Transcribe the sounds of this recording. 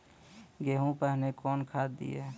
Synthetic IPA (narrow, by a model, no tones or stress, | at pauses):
ɡeɦũpəɦnekɔːnkʰad̪d̪ḭe